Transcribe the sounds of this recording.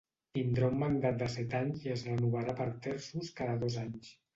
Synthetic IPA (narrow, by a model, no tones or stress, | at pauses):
t̪ind̪ɾaummənd̪at̪̚d̪əsɛt̪aɲziəzrənuβaɾapəɾt̪ɛɾsuskaðəðozaɲs